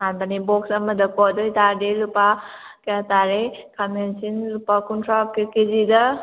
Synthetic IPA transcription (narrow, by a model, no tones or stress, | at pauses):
anbanibɔksɐmɐd̪ɐkɔdɔjtaɾdelupa | keataɾekʰamensinlupakuntʰɾakekezidɐ